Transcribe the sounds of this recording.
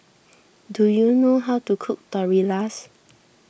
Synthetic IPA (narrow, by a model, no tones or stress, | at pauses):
dujunoɦawtukʰuk̚tɔɹilas